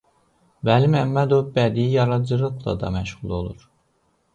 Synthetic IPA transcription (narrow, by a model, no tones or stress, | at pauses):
vælimæmːæd̪ovbæd̪iijɑɾɑd͡ʒɯɾɯɣlˠɑ̰d̪ɑ̰mæʃʁulˠo̞̰lˠuɾ